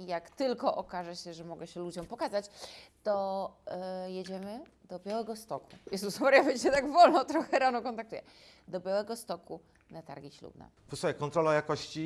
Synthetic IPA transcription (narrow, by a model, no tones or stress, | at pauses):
jakt̪ɘlkɔʔɔkaʐɛɕɛʐɛmɔɡɛɕɛlud͡ʑɔmpɔkazat͡ɕt̪ɔ | jed͡ʑɛmɘd̪̥ɔbʲjawɛɡɔst̪ɔkʰujɛst̪usɔvaɾjavɛt͡ɕɲɛt̪aɡvɔlnɔt̪ɾɔxɛɾanɔkɔnt̪akt̪ujɛ̰ | d̪ɔbʲjawɛɡɔst̪ɔku | nat̪a̰ɾɡʲiɕlṵbna̰ | pɔsɔjɛkɔnt̪ɾɔlajakɔɕt͡ɕi